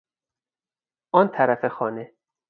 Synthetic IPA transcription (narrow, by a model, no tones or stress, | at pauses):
ʔɒːnt̪ʰæɾæfexɒːne